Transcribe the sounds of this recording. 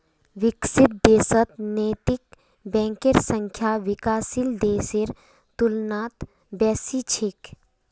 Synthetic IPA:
ʋɪksɪt̪̚d̪eːsət̪neːt̪ɪk | bɛ̃ːŋkeɾsə̃ŋkʰjaːʋɪkaːsild̪eːsiɾ | t̪ʊlnaːt̪ | bɛːsit͡ʃʰɪk

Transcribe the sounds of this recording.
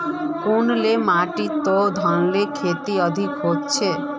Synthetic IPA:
punlemaʈit̪ɔd̪ʱɔnlekʰet̪iʌd̪ʱikɦot͡ʃʰe

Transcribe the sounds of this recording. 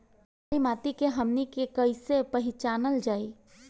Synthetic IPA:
ɾimaːt̪ikeɦəmnikekəɪsepɐɦɪt͡ʃaːnəld͡ʒaːi

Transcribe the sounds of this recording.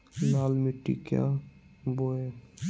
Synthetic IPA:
lalmiʈːḭka̰boe

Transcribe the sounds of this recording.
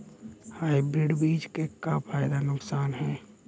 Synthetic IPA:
haːibɾɪɖbiːd͡ʒkekapʰaːjd̪anʊksaːnɦɛ̃ː

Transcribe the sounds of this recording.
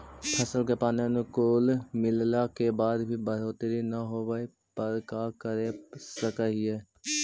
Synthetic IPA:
pʰəsəlk̬epaːnenukoːlmɪllakebaːd̪bʱibəɾ̤oːt̪ɾinɐɦobai | pəɾkakəɾesəkəɦiɛː

